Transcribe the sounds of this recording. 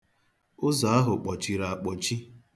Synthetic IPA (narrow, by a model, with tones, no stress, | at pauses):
ʊ˦za˨a˦ɦʊ˨k͡pɔ˨t͡ʃi˨ɾa˨a˨k͡pɔ˨t͡ʃi˦